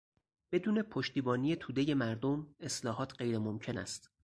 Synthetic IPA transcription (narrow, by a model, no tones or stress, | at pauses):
b̥e̞d̪uːnepʰoʃt̪iːbɒːnije̞t̪ʰuːd̪e̞je̞mæɾd̪o̞me̞slɒːɦɒːt̪ʰɢe̞jɾemomcʰe̞næ̰st̪